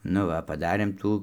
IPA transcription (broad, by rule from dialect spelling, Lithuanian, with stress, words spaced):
nʊ ˈʋɐ pɐˈdɑːrʲeːm ˈtuː